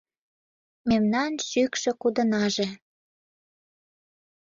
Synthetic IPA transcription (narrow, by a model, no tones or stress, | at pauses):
memnɑnʃykʃĕkud̪ə̆nɑʒe